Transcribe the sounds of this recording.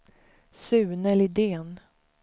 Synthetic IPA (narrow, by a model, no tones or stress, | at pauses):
sʉ̟ːnɛlɪd̪eːn